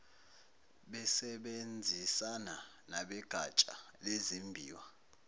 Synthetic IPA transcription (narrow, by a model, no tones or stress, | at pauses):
ɓɛsɛɓend͡zʱisana | naɓɛɡ̥ʱat͡ʃʼa̰lezimbʱiːwa